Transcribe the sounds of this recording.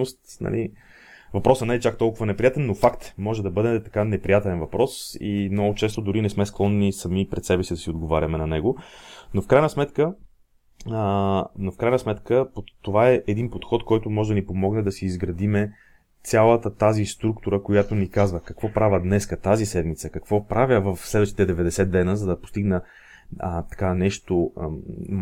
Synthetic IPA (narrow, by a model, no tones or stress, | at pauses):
ost̪nɐ̰li | vɐpɾɔsɛnalit͡ʃak̚t̪ɔlˠkʊvənɛpɾijat̪ɛnːofakt̪mɔʒɛd̪ɐbɤd̪ɛt̪ɐkanɛpɾijat̪ɛlɛnvɐpɾɔsḭmnɔɡʊt͡ʃɛst̪od̪ʊɾinɛsmɛsklˠɔnːisɐmipɾɛt̪sɛbɛsid̪ɐsiod̪ɡovaɾʲɐmɛnɐnɛɡonofkɾajnəsmɛt̪kə | nofkɾajnəsmɛt̪kəpot̪ːovaɛʔɛd̪inpot̪xɔt̪kɔjt̪ʊmɔʒɛd̪ɐnipomɔɡnɛd̪ɐsiːzɡɾɐd̪imɛ | t̪sʲalˠət̪ət̪azist̪ɾukt̪uɾəkojat̪onikazvəkɐkvɔpɾavʲəd̪nɛskət̪azisɛd̪mit̪səkɐkvɔpɾavʲjəvəfslɛd̪vəʃt̪i̥t̪ɛd̪ɛvɛd̪ɛsɛt̪ːɛnəzɐd̪ɐpo̥st̪iɡnə | t̪ɐ̥kanɛʃt̪o